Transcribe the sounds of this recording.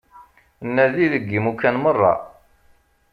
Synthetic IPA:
nːæðiðəɡːimukːænmərˤːɑ̰

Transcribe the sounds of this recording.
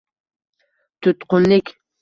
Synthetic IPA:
t̪ʊt̪qonɪk

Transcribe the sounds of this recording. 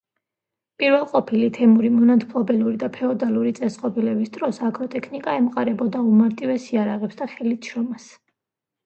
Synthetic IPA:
pʼiɾvɛlˠqʼɔpʰilit̪ʰɛmuɾimɔnat̪ʰpʰlˠɔbɛluɾid̪apʰɛɔd̪alˠuɾit̪sʼɛsqʼɔbilɛbisd̪ʼɾɔsakʰɾɔt̪ʼɛkʰnikʼaɛmqʼaɾɛbɔd̪aumaɾt̪ʼivɛsiaɾaʁɛpsd̪aχɛlit̪ʰʃɾɔmas

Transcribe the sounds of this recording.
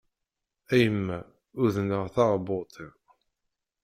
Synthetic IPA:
æjəmːæ | ʊðnəʁθɑʁbot̪ʰˤeʁ

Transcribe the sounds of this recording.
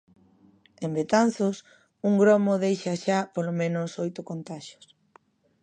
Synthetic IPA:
embet̪an̟θʊs | uŋɡɾomoðejʃaʃapolomẽnʊsojt̪ʊkont̪aʃo̥s

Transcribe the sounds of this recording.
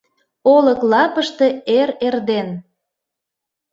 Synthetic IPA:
oləklɑpəʃt̪e̽eɾerd̪en

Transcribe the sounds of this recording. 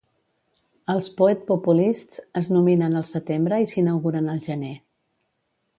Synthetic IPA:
əlˠspuɛt̪̚pupulist͡səznuminənəlˠsət̪embɾəisinəwɣuɾənəlˠʒəne

